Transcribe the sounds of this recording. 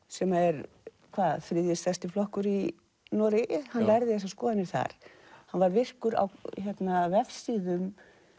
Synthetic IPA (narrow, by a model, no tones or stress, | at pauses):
sɛmaɛɾ | kʰvaːðfɾɪðjɪsθɛst̪ɪflɔhkʏɾi | nɔɾɪhanːvɛɾðɪθɛs̬askɔːðanɪɾθa̰ɾ̥hanvaɾvɪr̥kʏɾa̰wçɛt̪navɛfsiːðʏm